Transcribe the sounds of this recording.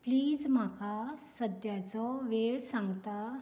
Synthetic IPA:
pliːd͡zmakasəd̪jat͡sɔʋeɭsãŋɡt̪a

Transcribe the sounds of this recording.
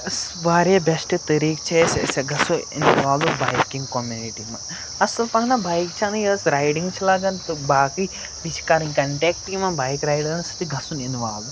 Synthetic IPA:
s | ʋaːɾabɛsʈɨt̪ɐɾiːkt͡ʃʰesseɡʱɐsuḭnʋaːlubajkiŋɡkomjuniʈimɐn | ɐsɐlpɐɦnabaːjkt͡ʃʰanɐjɐsɾajɖiŋɡt͡ʃʰilaɡɐnt̪ɨbaːki | bit͡ʃʰkaːɾiŋkɐɳʈeːk̚ʈimɐnbaːjkɾajɖɐnsɐ̥t̪iɡʱɐsuninʋaːlu

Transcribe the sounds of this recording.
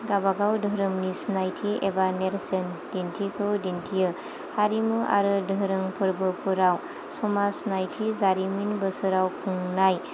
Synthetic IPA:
ɡabaɡawdʱəɾɯmnisnajtʰiebaneɾsend̥intʰikʰɯwdintʰijɯ | haɾimɯʔa̰ɾɯdʱəɾɯŋpʰɯɾbɯpʰuɾaw | sɔmasnajtʰizaɾiminbɯsɯɾawkʰuŋnaj

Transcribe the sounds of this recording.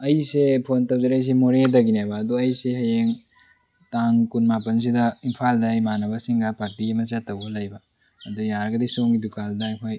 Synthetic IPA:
ɐjsepʰontɐwd͡ʒɐɾɐjs̬emoɾedɐɡinabɐːduɐjseɦɐjeŋ | taŋkunmapɐns̬idɐimpʰaldɐajmanɐbɐsiŋɡapaɾtiɡimɐt͡ʃatɐwbɐlɐjbɐː | dujaɾɐɡɐdisoŋɡidukaldajpʰaj

